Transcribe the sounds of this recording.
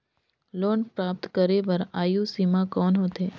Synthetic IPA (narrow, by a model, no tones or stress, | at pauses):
loːnpɾaːp̚t̪kəɾeʋəɾajusimãkɔːnɦot̪ʰe